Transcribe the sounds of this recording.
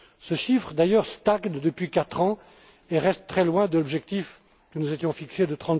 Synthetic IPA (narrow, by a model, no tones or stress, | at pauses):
səʃifχd̪ajœʁst̪aɡnd̪əpɥikat̪χɑ̃ | eʁɛst̪ːχɛlwɛ̃d̪əlɔbʒɛk̚t̪if | kənuzet̪jɔ̃fiksed̪ət̪χɑ̃